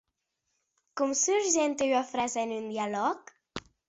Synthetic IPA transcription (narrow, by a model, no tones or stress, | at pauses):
kumsuɾʒent̪eyafɾazaenynd̪ialɔk